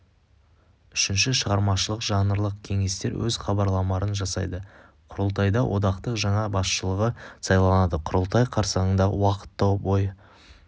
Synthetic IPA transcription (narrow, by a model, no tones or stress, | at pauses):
ʏʃɪnʃɪʃəʁɑɾmɑʃəlˠəqʒɑnəɾlˠəq̚kʲʰe̞ŋe̞st̪e̞ɾwʔɵzχɑbɑɾlˠɑmɑɾənʒɑsɑjd̪ə | qʰʊɾəlˠt̪ɑjd̪ɑwʔo̞d̪ɑqt̪əqʒɑɴɑbɑsʃəlˠəʁəsɑjlˠɑnɑd̪əqʰʊɾəlˠt̪ɑjqʰɑɾsɑʁəɴd̪ɑ̰wɑqə̥t̪ːɑwboj